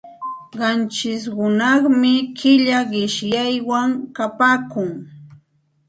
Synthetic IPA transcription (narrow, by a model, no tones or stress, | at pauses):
ɢɑnt͡ʃɪs̬ɢʊnɑχmɪkʰɪʎaɢɪʃjajwaŋkapaːkʊŋ